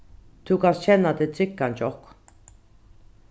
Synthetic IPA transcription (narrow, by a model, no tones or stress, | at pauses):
t̪ʰukʼast͡ʃʰɛnːat̪ɛt͡sʼikːant͡ʃʼɔhkʰʼ